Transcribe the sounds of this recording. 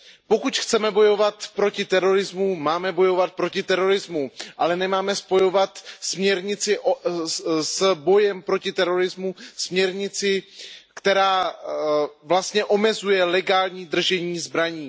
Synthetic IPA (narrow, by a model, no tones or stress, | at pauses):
po̞kucxt͡sɛmɛbo̞jo̞vat̪pɾo̞cɪt̪ɛɾo̞ɾɪzmumaːmɛbo̞jo̞vat̪̚pɾo̞cɪt̪ɛɾo̞ɾɪzmuʔalɛnɛmaːmɛspo̞jo̞vat̪smɲɛɾɲɪt͡sɪʔ | sbo̞jɛmpɾo̞cɪt̪ɛɾo̞ɾɪzmusmɲɛɾɲɪt͡sɪkt̪ɛɾaː | vlast̪ɲɛʔo̞mɛzujɛlɛɡaːlɲiːd̪r̩ʒɛɲiːzbɾaɲiː